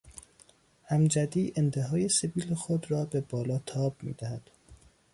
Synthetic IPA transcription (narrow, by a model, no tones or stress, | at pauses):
hæmd͡ʒæd̪iːʔent̪ʰe̞ɦɒːje̞seviːlexod̪ɾɒːbe̞bɒːlɒːt̪ʰɒːb̚mḭːd̪æhæd̪̥